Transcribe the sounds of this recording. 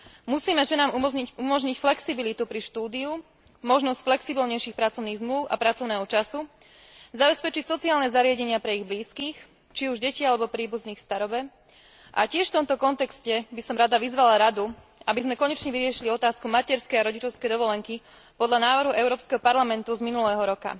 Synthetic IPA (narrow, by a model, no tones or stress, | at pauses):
musiːmɛʒɛnaːmuiumɔʒɲicflɛksibilit̪upɾiʃt̪uːd̪iu | mɔʒnɔscflɛksibilɲɛjʃiːxpɾat͡sɔʊniːɣzmluʊʔa̰pɾat͡sɔʊnɛːɦɔt͡ʃasu | zabɛspɛt͡ʃicsɔt͡siaːlnɛzaɾɪaɟɛɲɪapɾɛiɣbliːskiːx | t͡ʃiuʒɟɛcialɛbɔpɾiːbuzniːxst̪aɾɔbɛ | ʔa̰cɪɛʃft̪ɔmt̪ɔkɔnt̪ɛkscɛbisɔmɾad̪aʋizʋalaɾad̪u | abizmɛkɔɲɛt͡ʃɲɛʋiɾɪɛʃiliɔt̪aːskumacɛɾskɛjaɾɔɟit͡ʃɔʊskɛjd̪ɔʋɔlɛŋki | pɔd̪ʎanaːʋɾ̩ɦuʔɛʊɾɔːpskɛɦɔpaɾlamɛnt̪uzminulɛːɦɔɾɔka̰